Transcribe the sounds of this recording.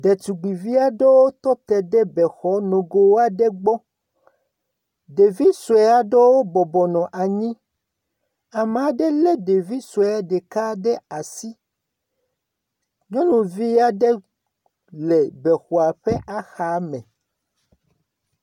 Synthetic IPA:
ɖɛ˨t͡ʃu˨ɡ͡bi˨vi˦a˦ɖe˦wo˦t̪ɔ˦t̪ɛ˨ɖɛ˦bɛ˨xɔ˨˦nõ˨ɡo˨wo˦a˦ɖɛ˦ɡ͡bɔ˦ | ɖe˨vi˦su˨e˦a˦ɖe˦wo˦bɔ˨bɔ˨nɔ̃˨ʔa˨ɲĩ˦ | a˨m˨a˨ɖɛ˦lɛ˦ɖe˨vi˦su˨e˨˦a˨˦ɖɛ˨ka˦ɖɛ˦a˨si˦ | ɲɔ̃˦nũ˨vi˦a˦ɖɛ˦ | lɛ˨bɛ˨xu˨a˨ɸɛ˦ʔa˦xa˨˦mɛ̃˨

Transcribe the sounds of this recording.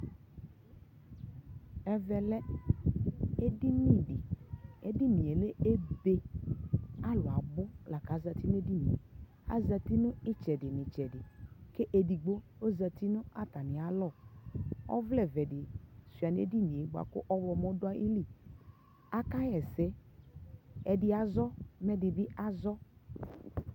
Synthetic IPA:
ɛ˦vɛ˨lɛ˦ | e˦di˦mĩ˦˨ɖɪ˨e˦di˦mĩ˨e˨le˦e˦be˦ | a˦lʊ˨a˨bʊ˦la˨ka˨˦za˨t̪i˦nʊ˦e˦di˦mḭ̃˨ḛ˨ | a̰˦za˨t̪i˦nʊ̃˦ɪ˦t͡ʃɛ˨dɪ˨nɪ̃˨t͡ʃɛ˨dɪ˨ke˦ʔe˨di˨ɡ͡bo˦ | o˦za˨t̪i˦nʊ̃˦a˦t̪a˨nɪ̃˨a˨˦lɔ˦˨ | ɔ̰˦vlɛ˨vɛ˨dɪ˨su˨a˨nḛ˦di˦nĩ˨e˨˦ɡ͡ba̰˨kʊ̰˦ʔɔ˦vɔ˨mɔ̃˦dʊ˦a˦ʔḭ˦li˦ | a˦ka˦jɛ˨sɛ˨˦ | ɛ˨dɪ˦a˨zɔ˦mɛ˦dɪ˨bi˦a˦zɔ˦

